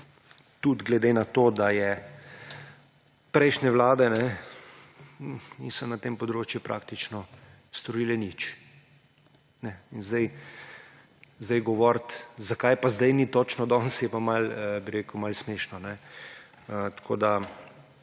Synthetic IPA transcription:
t̪ud̪ɡlɛd̪enat̪oːd̪ajɛ | pɾɛjʃnɛʋlaːd̪ɛnɛ | nḭsɔnat̪empɔd̪ɾoːt͡ʃjupɾa̰kt̪it͡ʃnɔ | st̪ɔɾiːlɛnit͡ʃ | nɛinzd̪aj | zd̪ajɡɔʋɔɾt̪zakajpazd̪ajnit̪ot͡ʃnɔd̪ɔnsjɛpamaləbiɾeːkwmalsmeːʃnɔnɛ | ət̪kʰoːd̪a

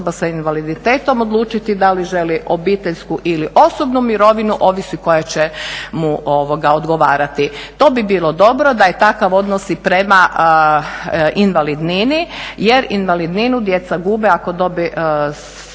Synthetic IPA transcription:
basainʋalid̪it̪e̞ːt̪o̞mod̪lˠuːt͡ʃit̪id̪aliʒe̞liʔo̞bit̪e̞ʎskuʔiliʔo̞sobnumiɾo̞ʋinuʔo̞ʋisuiko̞jet͡ɕemuoʋoɡaod̪ɡo̞ʋaːɾat̪it̪o̞ːbibiːlo̞d̪o̞bɾo̞d̪ajet̪akaʋo̞d̪nosipɾe̞maʔ | ʔinʋalid̪ninije̞ɾinʋalid̪ninud̪je̞t̪saɡuːbɛako̞d̪o̞bi

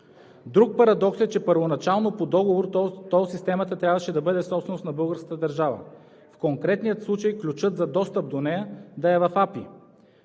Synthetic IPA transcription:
d̪ɾuk̚pɐɾɐd̪ɔksɛt͡ʃɛpəɾvonɐt͡ʃalˠnopod̪ɔɡovoɾt̪ɔsist̪ɛmɐt̪ət̪ɾʲavɐʃɛd̪ɐbɤd̪ɛfsɔpsɛnosnɐbɤlˠɡəɾskə̥t̪əd̪ɐɾʒavə̰ | fkoŋkɾɛt̪nijət̪slˠut͡ʃəjklʲut͡ʃɤt̪zɐd̪ɔst̪əp̚d̪onɛjəd̪ɐɛvɐfapi

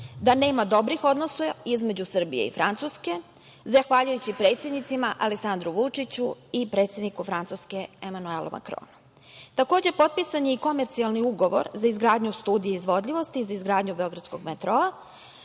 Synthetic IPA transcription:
d̪ane̞ːmad̪o̞bɾixo̞d̪nosaizme̞d͡ʑusr̩bḭje̞̰ḭfɾant̪suske̞ | zaxʋaʎujut͡ɕipɾe̞ːt̪sʲjed̪nit̪simaʔaleksand̪ɾuʋut͡ʂit͡ɕuipɾe̞t̪sje̞d̪nikufɾant̪suskeemanuelo̰mʔa̰kɾo̰ːnu | t̪ako̞ːd͡ʑepo̞t̪̚pisaɲeiko̞meɾt̪sialˠniuɡo̞ʋo̰ɾzaizɡɾaːd̪ɲust̪uːd̪ijeizʋo̞d̪ʎiʋo̞st̪iːzaizɡɾaːd̪ɲubeo̞ɡɾat̪skoɡmet̪ɾoa

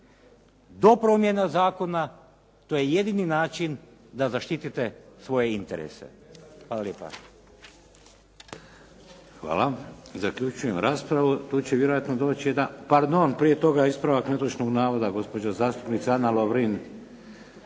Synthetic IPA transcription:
d̪o̞pɾo̞mje̞nazaːko̞na | t̪oje̞je̞d̪ininaːt͡ʃind̪azaʃt̪it̪it̪e̞sʋo̞je̞int̪eɾḛse̞̰ | xʋaːlˠaljeːpa̰ | xʋa̰ːlazakʎut͡ʃujemɾaːspɾaʋut̪uːt͡ɕeʋjeɾo̞jat̪nod̪oːt͡ɕijed̪anpaɾd̪o̞npɾie̞t̪o̞ɡaispɾaʋaknet̪ot͡ʃnoɡnaːʋod̪aɡo̞spo̞d͡ʒazaːst̪u̥pnit̪saanaloʋɾin

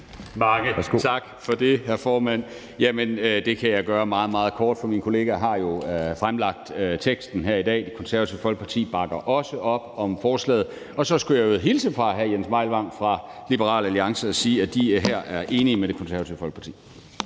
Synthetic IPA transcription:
mɑŋət͡sʰɑ̈ɡ̥fɒ̽d̥e̝ɦæɐfɒːmæn̰ | jæmənød̥e̝kʰæjɑ̈ɪɡ̥ɶːɐmɑ̈ːð̩ˠmɑ̈ːð̞̩ˠkʰɒːd̥fɒ̽minkʰo̝le̝ːɡ̥æɦɑ̈jo̝fʁamlɑ̈ɡ̥̚d̥øt͡sʰeɡ̥sd̥n̩ɦeɐidɛ̰ːd̥e̝kʰonsæɐʋæt͡sʰiʊfɒ̽lɡ̥əpʰɑ̈t͡sʰḭːb̥ɑ̈ɡ̥ɐʔɒ̽səʔɒ̽b̥ɒ̽mfɒːslɛ̰ːð̞̩ˠ | ɒ̽sɒ̽sɡ̥ujɑð̩ˠɦilsəfʁɑ̈ɦæjensmɑ̈ɪ̰lʋɑ̈ŋ̰fʁɑ̈lib̥əʁɑ̰̈ːlæliɑ̈ŋsəɒ̽siːæd̥iɦæɐ̰ʔæɐʔe̝ːniəmeɾ̥e̝kʰo̽nsæɐʋæt͡sʰiʊfɒ̽lɡ̥̚pɑ̈t͡sʰḭː

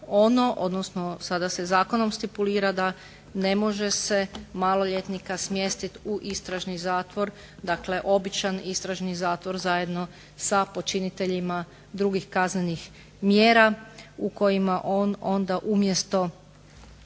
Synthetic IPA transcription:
o̞no̞ʔo̞̰d̪nosno̞sad̪asezaːko̞no̞mst̪ipuliːɾad̪a | ne̞mo̞ʒe̞se̞malo̞ʎet̪nikasmje̞st̪it̪uʔist̪ɾaʒnizaːt̪ʋo̞ɾ | d̪akle̞ʔo̞bit͡ʃanist̪ɾaʒnizaːt̪ʋo̞ɾzaje̞d̪no̞ | sapo̞t͡ʃinit̪e̞ʎima | d̪ɾuɡixkazne̞nix | mjeːɾauko̞jimaʔo̞no̞nd̪aʔumje̞st̪o̞

